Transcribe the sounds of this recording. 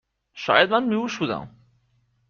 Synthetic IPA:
ʃɒ̰ːjæd̪̚mænmiuʃuːd̪æ̰m

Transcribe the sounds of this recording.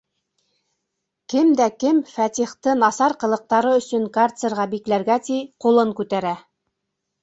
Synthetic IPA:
kɘmd̪ækɘmfæt̪ʲiχt̪ɤnɑsɑɾqɤ̆lˠɤ̆q̚t̪ɑɾɤɵ̆sɵŋkart̪sɤɾʁɑbiklæɾɡæt̪iqulˠɤŋkʉt̪æɾæ

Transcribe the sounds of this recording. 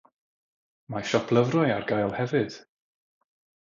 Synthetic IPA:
maʃɔpʰlˠəvrɔjarɡajlˠhɛvɨd̥

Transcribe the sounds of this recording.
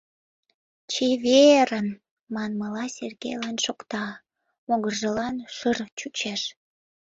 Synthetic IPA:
t͡ɕeβeɾən | mɑnməlɑsʲerɣḛjlɑnʃokt̪ɑ | moɣərʒəlɑnʃərt͡ɕut͡ɕeʃ

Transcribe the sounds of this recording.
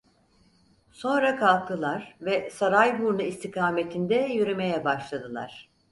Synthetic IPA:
so̞nɾakʰalˠk̚t̪ʰɯlˠaɾvɛsaɾajbuɾnɯist̪ʰikʰaːmet̪ʰind̪ɛjøɾeme̞jɛbaʃlˠad̪ɯlˠa̰ɾ̝̥

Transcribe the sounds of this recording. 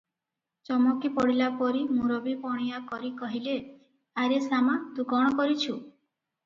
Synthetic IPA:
t͡ʃɔmɔkipɔɽilapɔɾimuɾɔbipɔɽ̃ijakɔɾikɔɦile | aɾesamat̪ũkɔɽ̃ɔkɔɾit͡ʃʰu

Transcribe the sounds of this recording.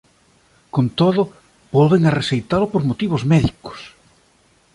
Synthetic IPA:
kont̪oðʊ | β̥ɔlβeŋaresejt̪alʊpoɾmot̪iβozmɛðikʊ̥s

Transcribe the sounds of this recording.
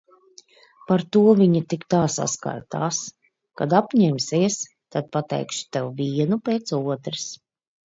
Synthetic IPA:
paɾt̪uɔviɲit̪ikt̪aːsa̰ska̰ɾt̪aːs | kad̪apɲɛmsiɛs | t̪ad̪̚pat̪ɛ̰jkʃu̥t̪ɛwviɛnupeːt̪suɔt̪ɾɨs

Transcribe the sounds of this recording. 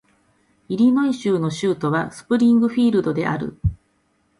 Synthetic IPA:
iɾʲino̞ĩɕɨːno̞ɕɨːt̪o̞βasɨ̥pɯ̟ɾʲĩŋɡɯ̟ɸʲiːɾɯ̟d̪o̞d̪e̞̰ʔa̰ɾɯ̰

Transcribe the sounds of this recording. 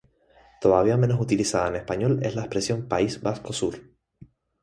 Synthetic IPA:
t̪o̞ðaβiamenosut̪ilisaðaene̞spaɲo̞le̞̰zlaespɾe̞sjõ̞mpaizbasko̞suɾ

